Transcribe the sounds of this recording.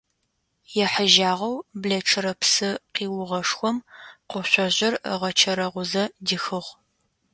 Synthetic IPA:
jɛħəʒaːʁɐwbɮɐʈ͡ʂʰɨɾɐpsɨqiːwʊʁɐʂxʷɔmqʷʊɕʷɔʑɪr̰ʁɐt͡ʃʰɐɾɐʁʷʊzɐdɨxɨʁ

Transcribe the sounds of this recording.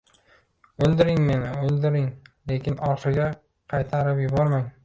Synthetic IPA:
olˠd̪ɪɾɪŋme̞nɪolˠd̪ɪɾɪŋle̞kʲʰɪnɒɾqɨɡʲa | qʰɑjt̪ʰaɾɪpjʊbɒɾmaŋ

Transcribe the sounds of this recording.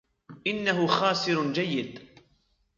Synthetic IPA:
ʔɪnːaɦʊxaːsɪɾd͡ʒajːɪd̪

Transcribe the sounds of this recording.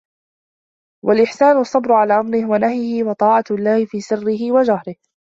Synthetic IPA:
wʔalʔɪħsaːnʊʔɑsˤːɑbɾʊʕalaːʔamɾɪhwanahjɪhɪwɑt̪ˤɑːʕɑlːɑːhɪfiːsɪrːɪɦɪwad͡ʒahɾɪh

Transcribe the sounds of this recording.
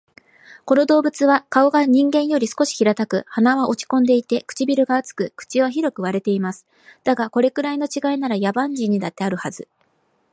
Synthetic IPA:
ko̞no̞d̪o̞ːbɯ̟t͡sɨβakao̞ɡaɲ̟ĩŋɡẽ̞ɰ̃jo̞ɾʲisɨ̥ko̞ɕi̥çiɾat̪akɯ̟hanaβaʔo̞t͡ɕi̥kõ̞nd̪e̞it̪e̞kɯ̥t͡ɕibʲiɾɯ̟ɡaːt͡sɨ̥kɯ̟kɯ̟̥t͡ɕiβaçiɾo̞kɯ̟β̞aɾe̞t̪e̞imasɨ̥ | d̪̥aɡako̞ɾe̞kɯ̟ɾaino̞t͡ɕiɡainaɾajabãɲ̟d͡ʑiɲ̟ːid̪at̪ːe̞aɾɯ̟hazɨ

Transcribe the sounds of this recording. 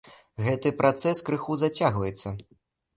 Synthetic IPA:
ɣɛt̪ɨpɾat̪sɛskɾɨxuzat͡sʲaɣvɐjɛt̪sːɐ

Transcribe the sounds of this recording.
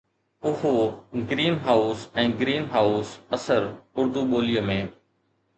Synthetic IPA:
ʊɦoɡɾiːnɦaːusɛ̃ːɡɾiːnɦaːʊsəsəɾʊɾd̪uɓoːlɪjəmẽː

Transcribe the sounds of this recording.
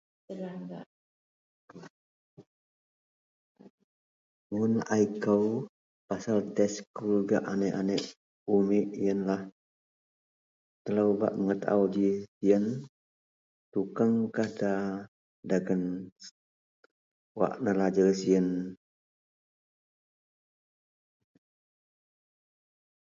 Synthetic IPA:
ŋʊnaikəw | pasalt̪ɛskulɡaʔanɛʔanəʔ | umɪʔjənlah | t̪əlawba̰ʔməŋət̪a̰wdisiən | t̪ukaŋkahda | daɡən | wa̰ʔnəlad͡ʒərsiən

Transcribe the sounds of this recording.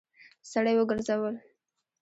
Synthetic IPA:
saɽajwəɡəɾzawəl

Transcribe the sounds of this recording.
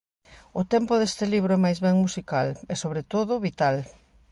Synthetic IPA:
ʊt̪ɛmpʊðest̪eliβɾoɛmajzβɛŋmusikalesoβɾet̪oðʊβit̪al

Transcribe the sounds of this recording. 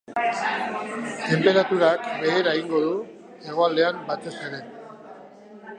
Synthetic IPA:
t̪e̞mpe̞ɾat̪uɾakbe̞ːɾaeɣiŋɡo̞ðu | e̞ɣo̞ald̪e̞ambat̪e̞seɾen

